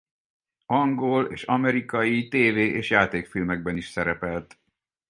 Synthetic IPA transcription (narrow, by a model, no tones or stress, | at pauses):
ɒŋɡolḛːʃɒmɛɾikɒjit̪eːveːʔeːʃjaːt̪eːkfilmɛɡ̚bɛniʃsɛɾɛpɛlt̪